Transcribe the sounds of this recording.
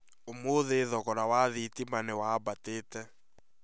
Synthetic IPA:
omoðeðɔɣɔɾawaðitimanewabateːtɛ

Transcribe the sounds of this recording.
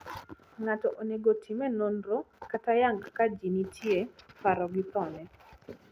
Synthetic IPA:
ŋatɔʔoneɡotʰimɛnonɾokatajaŋɡkad͡ʒinitʰjepaɾɔɡɪpɔnɛ

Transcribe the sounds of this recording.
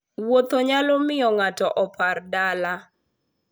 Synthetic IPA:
wot̪ɔɲalɔmɪjɔŋatɔʔɔpʰardala

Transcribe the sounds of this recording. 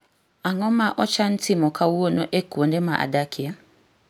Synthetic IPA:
aŋɔ̃mãʔɔt͡ʃan̩tʰɪmɔ̃kʰawuwonɔ̰̃ʔekuondemã̰ʔa̰dakɪa

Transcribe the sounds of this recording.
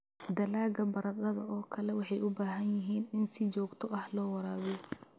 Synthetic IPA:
d̪ɐlaːɡɐbɐɾɐqɐðɐɔːkʰɐlɛwɑħɑjʔʊbaːɦɐnjɪɦiːnɪnsɪt͡ʃɔːɡt̪ʰɔʔɐhlɔːwɑɾaːβ

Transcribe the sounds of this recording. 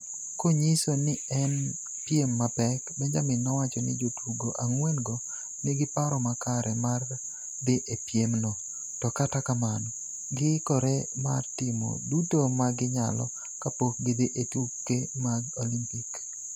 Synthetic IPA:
koɲisonɪɛn | pjemːapɛkbɛɲd͡ʒamɪnːɔwat͡ʃɔnɪ̰d͡ʒotwuɡoʔaŋwenɡɔ | nɪɡɪpaɾɔmakaɾɛmar | d̪ɪʔepjemno | tɔkatakamanɔ | ɡɪkɔɾemartɪmo̰dutomaɡɪɲa̰lɔ̰ | kapok̚ɡɪd̪ɪʔetukːemaɡolimpik

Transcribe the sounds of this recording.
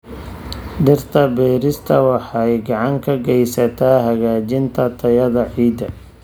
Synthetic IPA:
ɖɪrt̪ʰɐbɛːɾɪst̪ʰɐwɑħɑjɡɑʕɑŋkʰɐɡɛjsɐt̪ʰaːɦɐɣaːt͡ʃɪnt̪ʰɐt̪ʰɐjɐðɐʕiːd̪ɐ

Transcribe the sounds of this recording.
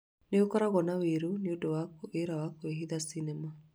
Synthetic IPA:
neokɔɾaɣɔnaweɾuneodowakoʔeɾawakoeɦiðasinɛma

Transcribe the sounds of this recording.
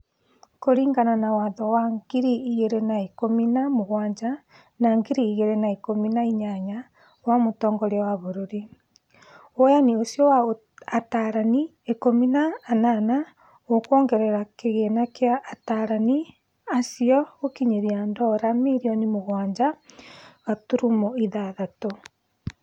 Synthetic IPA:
koɾiːŋɡananawaðɔwaŋɡ̥iɾiːɣeɾenaekominamoɣwaːɲd͡ʒa | naŋɡiɾiːɣeɾenaekominaiɲaɲa | wamotɔːŋɡɔɾeɔwaβoɾoɾi | ojaniosjɔwa | ataɾani | ekominaːnana | okwɔːŋɡɛɾɛɾakeɣenakeaʔːtaɾani | asiɔɣokiɲeɾiandɔɾamiɾiɔnimoɣwaːɲd͡ʑa | ɣatuɾumoiðaðato

